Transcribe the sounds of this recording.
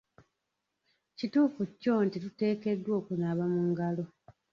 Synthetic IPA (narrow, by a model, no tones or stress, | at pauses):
cituːfuco̞ntitute̞ːke̞dːwo̞ːkunaːβamuŋɡalo̞